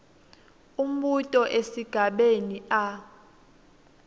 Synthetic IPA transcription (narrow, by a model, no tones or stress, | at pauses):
um̩ɓutʼɔʔesiɡ̥ʱaɓenia